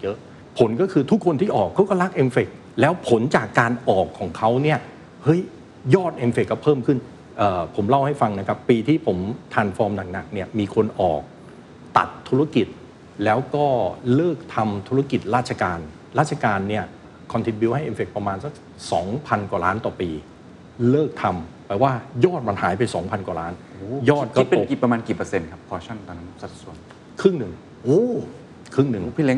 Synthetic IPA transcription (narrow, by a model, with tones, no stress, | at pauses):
jɤ˦˥ʔ | pʰo˩˦nkɔː˥˩kʰɯː˧t̪ʰu˦˥kʰːo˧nt̪ʰiː˥˩ʔɔː˨˩kʰːa˦˥wkɔː˥˩ɾa˦˥k̚ʔe˧mfe˨˩k̚ | lɛː˦˥wpʰo˩˦nt͡ɕaː˨˩kːaː˧nʔɔː˨˩kʰːɔː˩˦ŋkʰa˦˥wni˥˩ɐ | hɤ˦˥j | jɔː˥˩t̪̚ʔe˧mfe˨˩kːɔː˥˩pʰɤː˥˩mkʰɯ˥˩n | ʔɤː˨˩pʰo˩˦mla˥˩wha˥˩jfa˧ŋna˦˥kʰa˦˥pːiː˧t̪ʰiː˥˩pʰo˩˦mt̪ʰaː˧nfɔː˧mna˨˩ŋ̚na˨˩k̚ni˥˩ɐmiː˧kʰo˧nʔɔ̰ː˨˩k̚ | t̪a̰˨˩t̪ʰːu˦˥ɾa˥ki˨˩t̪̚ | lɛː˦˥wkɔː˥˩lɤː˥˩k̚t̪ʰa˧mt̪ʰu˦˥ɾa˥˩ki˨˩t̪̚ɾaː˥˩t̪̚t͡ɕʰa˧kaː˧n | ɾaː˥˩t̪̚t͡ɕʰa˧kaː˧nːi˥˩ɐ | kʰɔ˧nt̪ʰi˨˧n̚bi˧wha˥˩jʔe˧nfe˨˩k̚pɾa˧maː˧nsa˧˩k̚ | sɔː˩˦ŋpʰa˧nkwa˨˩laː˦˥nt̪ɔː˨˩piː˧ | lɤː˥˩k̚t̪ʰa˧mpaː˨˩waː˥˩jɔː˥˩t̪̚ma˧nhaː˩˦jpa˧jsɔː˩˦ŋpʰa˧nkwa˨˩laː˦˥n | u˧˩jɔː˥˩t̪̚kpe˧˨˧ki˨˩pɾa˧maː˧nkiː˨˩pɤ˧se˧nkʰa˦˥p̚kʰɔː˧t͡ɕʰa˥˩nt̪ɔː˧n˦˥n˥sa˨˩su˨˩ən | kʰɾɯ˥˩ŋnɯ˨˩ŋ | ʔoː˧˥˩ | kʰɾɯ˥˩ŋnɯ˨˩ŋpʰi˦˥˨le˦˥